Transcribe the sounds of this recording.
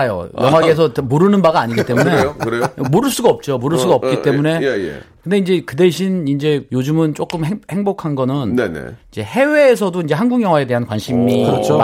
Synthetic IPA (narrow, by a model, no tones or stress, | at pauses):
jo̰jʌŋwaɡes̬ʰʌtmuɾɯnɯnbaɡaaɲiɡit͈emune̞kɯɾemuɾɯɭs͈uɡaʌp̚t͡ɕ͈omuɾɯɭs͈uɡaʌp̚k͈it͈e̞mune̞̰kɯnde̞ind͡ʑe̞kɯde̞ɕʰinind͡ʑe̞jod͡ʑumɯnt͡ɕ͈ok͈ɯmɦehe̞ŋbokʰanɡʌnɯnnenḛid͡ʑe̞he̞we̞ːsʰʌdoind͡ʑeɦanɡuŋjʌŋwae̞de̞ɦankwanɕʰimiʌt͡ɕʰ